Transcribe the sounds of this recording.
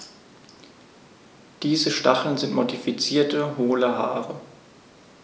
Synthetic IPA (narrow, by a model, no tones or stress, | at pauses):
d̥iːzəʃtaχl̩nzɪntmodifit͡siːɐtəɦoːləɦaːʁə